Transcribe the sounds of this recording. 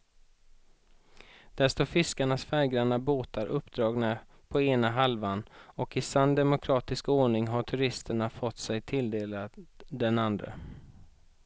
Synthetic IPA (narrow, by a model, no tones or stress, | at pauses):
d̪̥æʂt̪oːfɪskaɳasfɛɾɡɾaɳaboːt̪aɾʔɵpːd̪ɾɑːɡna | pʰɔeːnaɦalvanɔkɪsand̪ɛmʊkʰɾɑːt̪ɪskoːɳɪŋɦaʈʰɵɾɪst̪əɳafɔt̪ːsɛjt̪ʰɪld̪eːlad̪ɛnand̪ɾə̰